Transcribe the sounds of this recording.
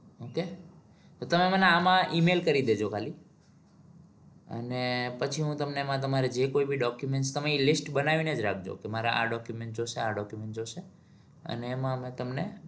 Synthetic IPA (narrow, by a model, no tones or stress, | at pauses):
oke | t̪ot̪əmeməneamãʔimelkəɾid̪ed͡ʒokʰali | ə̰nepət͡ʃʰiɦũt̪əmnemãt̪̬əmaɾed͡ʒekoibʱiɖɔkjumeɳʈst̪əmeilɪsʈbənaʋined͡ʒɾak̚ʰd͡ʒo̰kemaɾaʔa̰ɖɔkjumeɳʈd͡ʒoʃeaɖɔkjumẽɳʈd͡ʒoʃe | ə̰neːmãmẽt̪əmne